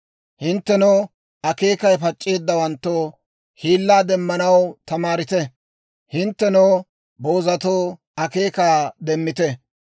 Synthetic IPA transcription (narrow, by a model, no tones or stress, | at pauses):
hɪnt̪ːɛnoː | ɐke̞ːkɐjpɐt͡ʃʼːe̞ːd̪ːɐwɐnt̪ːo | hiːlːaːd̪ɛmːɐnɐwt̪ɐmaːɾɪt̪ɛ | hɪnt̪ːɛnoː | bo̞ːzɐt̪oː | ɐke̞ːkaːd̪ɛmːɪt̪ɛ